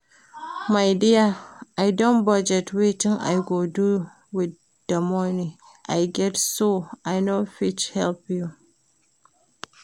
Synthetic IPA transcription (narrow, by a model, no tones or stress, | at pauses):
majdijaʔajdɔ̃nbad͡ʒɛtwetɪŋʔa̰jɡodu | wɪd | dɐmɔni | ʔajɡɛtsoʔajnofɪt͡ʃhɛlpju